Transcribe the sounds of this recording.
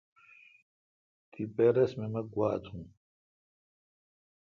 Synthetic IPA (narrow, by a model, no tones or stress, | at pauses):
t̪ipeɾɐsmemɐɡwaːt̪ʰũː